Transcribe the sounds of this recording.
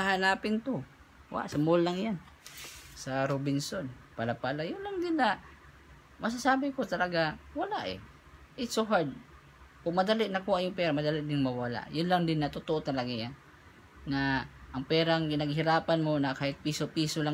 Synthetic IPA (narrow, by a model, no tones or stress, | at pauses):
ɐɦanaːpɪnt̪o | wa̰ʔsɐmolːaŋjan | sɐɾobɪnsonpalapalajʊnlaŋd̪ɪnːɐ | mʔɐs̬asaːbɪkot̪ɐlɐɡawɐlaʔɛ̰ | ʔɪt̪soɦaɹd̪̚ | kʊŋmɐd̪alɪʔnɐkuːhaʔjʊŋpɛːɾamɐd̪alɪʔd̪ɪŋmɐwala̰ʔjʊnlaŋd̪ɪnːɐt̪ʊt̪oʔot̪ɐlaɡaja | nɐʔɐŋpɛːɾaŋkɪnɐɡɦɪɾaːpanmo̞nɐkaːhɪt̪̚piːsopiːsolaŋ